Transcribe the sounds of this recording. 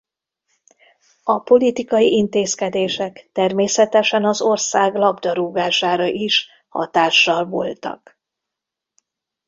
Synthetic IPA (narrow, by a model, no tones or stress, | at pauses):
ɒpo̞lit̪ikɒjiʔint̪eːskɛd̪eːʃɛkt̪ɛrmeːsɛt̪ɛʃɛnɒzo̞rsaːɡlɒbd̪ɒɾuːɡaːʃaːɾɒʔiʃ | hɒ̰t̪aːʃːɒlvo̰lt̪ɒ̰k